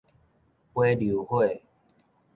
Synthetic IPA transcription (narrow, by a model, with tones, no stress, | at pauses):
we˦lju˨˦hwe˥˨